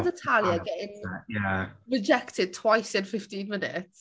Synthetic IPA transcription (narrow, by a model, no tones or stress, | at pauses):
dətʰalˠjaɡɛɪnjaɹɪd͡ʒɛktʰɪd̚tʰw̥ajsɪ̃nfɪftĩnmɪnɪ̰ts